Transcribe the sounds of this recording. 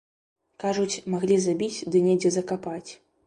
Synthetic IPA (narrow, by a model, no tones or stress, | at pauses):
kaʐut͡sʲmaɣlʲizabʲit͡sʲd̪ɨnʲɛd͡zʲɛzɐkapat͡sʲ